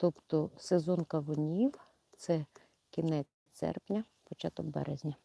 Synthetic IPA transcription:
t̪ɔpt̪ɔsezɔnkɐʋɔnʲiw | t̪sɛ | kʲinɛt͡sʲ | t̪sɛ̰rpnʲɐ | pɔt͡ʃat̪ɔkbɛ̰ɾezʲnʲɐ

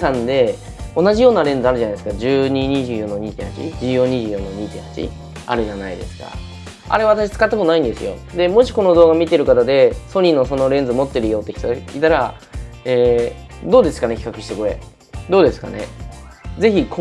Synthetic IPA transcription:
sãnd̪e̞ | o̞naʑijo̞ːnaɾẽ̞nd͡zɨaɾɯ̟ʑanaisɨ̥kad͡ʑɨːɲ̟iɲ̟iʑɨːjõ̞nːoɲ̟iːt̪ẽhat͡ɕḭd͡ʑɨːjõ̞ɲ̟iʑɨːjõ̞nːoɲ̟iːt̪ẽhḁt͡ɕḭ | a̰ɾɯ̟ʑanaid̪e̞̰sɨ̥ka̰ | a̰ɾe̞βat̪aɕi̥t͡sɨ̥kat̪ːakot̪onaĩnd̪e̞sɨ̰jo̞̰d̪e̞mo̞ɕi̥ko̞no̞d̪o̞ːɡamʲit̪̬e̞ɾɯ̟kat̪ad̪e̞so̞ɲ̟inːo̞so̞no̞ɾẽ̞nd͡zɨmo̞t̪ːe̞ɾɯ̟jo̞ːt̪ːkʰʲit̪oɡait̪aɾaeːd̪o̞ːd̪e̞sɨ̥kane̞kʲi̥kakɯ̟ɕi̥t̪ekoe̞̰ | d̪o̞ːd̪e̞sɨ̥ka̰ne̞̰ | d͡ze̞çik

